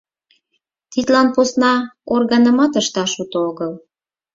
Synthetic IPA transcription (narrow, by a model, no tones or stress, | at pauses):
t̪it̪lɑnposnɑorɣɑnəmɑt̪əʃt̪ɑʃut̪ooɣəl